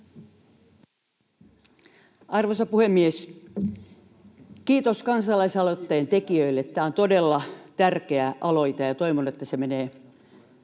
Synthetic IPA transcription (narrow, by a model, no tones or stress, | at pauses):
ʔɑrʋosɑpuhemːies | kiːt̪oskɑnsɑlɑisɑlot̪ːɑjent̪ekiøilːet̪ːæːont̪odelːɑt̪ærkeæʔɑloit̪ɑjɑt̪oiʋonuet̪ːæsemeneː